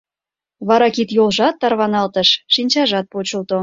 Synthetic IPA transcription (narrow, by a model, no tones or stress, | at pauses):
βɑɾɑkit̪jolˠʒɑt̪ːɑrβɑnɑlt̪əʃʃinʲt͡ɕɑʒɑt̪̚pot͡ɕə̆lˠt̪o